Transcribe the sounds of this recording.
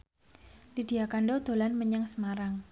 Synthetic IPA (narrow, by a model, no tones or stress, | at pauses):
lid̥iakaɳɖod̪̥o̤lanməɲəŋsəmaɾaŋ